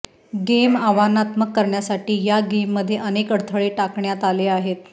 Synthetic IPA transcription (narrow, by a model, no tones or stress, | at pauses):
ɡemaʋanat̪məkːəɾɳjasaʈiːjaɡemːəd̪ʱːjeʔənekəɽt̪ʰəɭeʈakɳjat̪aleaɦet̪̚